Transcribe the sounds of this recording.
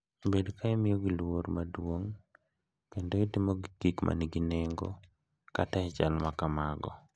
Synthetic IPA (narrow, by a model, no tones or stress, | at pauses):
bedkaɛmɪjoɡilwormadwoŋ | kendoitimoɡikikmʔa̰niɡinɛŋɡo̰ | kataɛt͡ʃalmakamaɡɔ̰